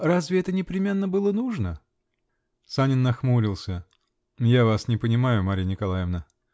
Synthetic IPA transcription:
razvʲɪɛt̪ənʲɪpɾʲɪmʲe̞nːəbɨlˠənuʐnə | sanʲɪnːɐxmuɾʲɪlˠsʲə | javasnʲɪpənʲɪmajʊmaɾʲnʲɪkɐlˠajɪvnə

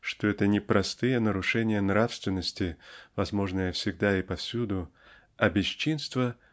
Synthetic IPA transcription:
ʂt̪oɛt̪ənʲɪpɾʔɐst̪ɨjənəɾʊʂɛnʲɪjənɾafst̪vʲɪnːəsʲtʲɪvɐzmo̞ʐnɨjəfsʲɪɡd̪aɪpɐfsʲud̪ʊ | ɐbʲɪɕt͡ɕːinst̪və

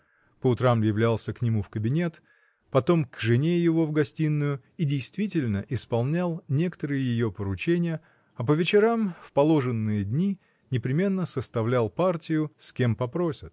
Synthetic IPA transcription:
pəʊt̪ɾamjɪvlʲælˠsʲəknʲɪmufkəbʲɪnʲe̞t̪ | pɐt̪o̞mkʐɨnʲejɪvo̞vɡɐsʲtʲinːʊjʊ | idʲɪjst̪vʲitʲɪlʲnəʔɪspɐlˠnʲalˠnʲe̞kə̥t̪əɾɨjəjɪjo̞pəɾʊt͡ɕenʲɪjə | ɐpəvʲɪt͡ɕɪɾamfpɐlˠo̞ʐɨnːɨjəd̪ʲnʲi | nʲɪpɾʲɪmʲe̞nːəsəst̪ɐvlʲalˠpartʲɪjʊskʲe̞mpɐpɾo̞sʲɪt̪̚

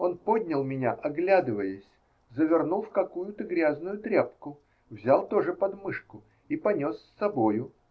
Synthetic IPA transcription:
o̞npo̞d̪ʲnʲəlˠmʲɪnʲaʔɐɡlʲad̪ɨvəjəsʲ | zəvʲɪrnulˠfkɐkujʊt̪əɡɾʲaznʊjʊt̪ɾʲepkʊ | vzʲalˠt̪o̞ʐɨpɐd̪mɨʂkʊ | ipɐnʲo̞sːɐbo̞jʊ

